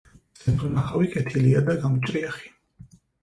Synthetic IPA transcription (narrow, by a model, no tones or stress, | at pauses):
sɛpɾɛmaχawikʼɛt̪ʰiliad̪aɡamt͡ʃʼɾiaχi̥